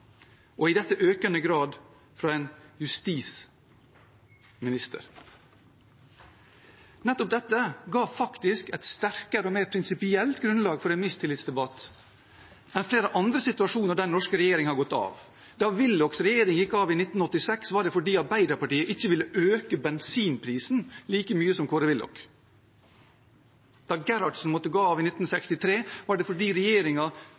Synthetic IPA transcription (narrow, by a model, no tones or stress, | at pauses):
ʔɔɪd̪ɛt̪ːəʔøːkənəɡɾɑːd̪ | fɾɑɛnjʉst̪iːs | mɪnɪst̪ə̰ɾ | nɛt̪ːɔp̚d̪ɛt̪ːəɡɑːʋfɑkt̪ɪskɛt̪st̪æɾkəɾəɔmeːɾpʰɾɪnsɪpɪɛlt̪ɡɾʉnlɑːɡfɔɾɛnmɪst̪ʰɪlːɪt̪sd̪ɛbɑt̪ː | mɛnfleːɾəʔɑnd̪ɾəsɪt̪ʉɑʂuːnəɖænɔʂkəɾɛjeːɾɪŋhɑɡɔt̪ːɑ̰ːʋ | d̪̥ɑʋɪlːɔksɾɛjeːɾɪŋjɪkːɑːʋɪnɪt̪n̩ɔt̪ːɪsɛksʋɑɖɛfɔɖiːɑɾbæɪd̪əpɑʈiːəʔɪçːəʋɪlːəʔøːkəbɛnsiːnpʰɾiːsn̩liːkəmyːəsɔmkʰoːɾəʋɪlɔ̰k | d̪̥ɑɡɛɾɑʈsn̩mɔt̪ːəɡoːɑːʋɪnɪt̪n̩sɛkst̪ɪt̪ʰɾeːʋɑɖɛfɔɖiːɾɛjeːɾɪŋɑ